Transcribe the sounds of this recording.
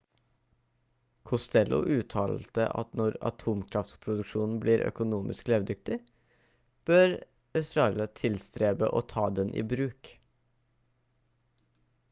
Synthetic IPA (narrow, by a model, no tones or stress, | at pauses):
kʰʊst̪ɛlʊ̰ʔʉːt̪ʰɑ̰ːlt̪ə̰ʔɑ̰t̪nɔɾɑ̰t̪ʰuːmkʰɾɑft̪pʰɾʊd̪ʉkʂuːnn̩bliːɾʔœ̰kʊnuːmʔɪ̰skleːʋd̪ʏk̚t̪ɪ | b̥øɾ | œsɾɑːlɑt̪ʰɪlst̪ɾeːbə̰ʔɔt̪ʰɑːd̪ɛnʔḭːbɾʉːk